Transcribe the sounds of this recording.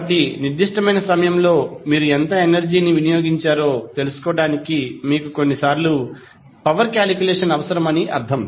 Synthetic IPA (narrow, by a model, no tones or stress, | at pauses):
ɐʈ̬iniɾd̪ʱiʂʈɐmɐjnɐsɐmɐjɐmlo̞ːmiːɾuent̪ɐenɐɾd͡ʒiːniʋinijoːɡiɲt͡ʃaːɾo̞ːt̪e̞lusu̥kɔːɐɽaːnikimiːkuko̞nːisaːɾlu | pɐʋɐɾkjaːlikjulɛːʂɐnɐʋɐsɐɾɐmɐniʔɐ̰ɾt̪ʰɐm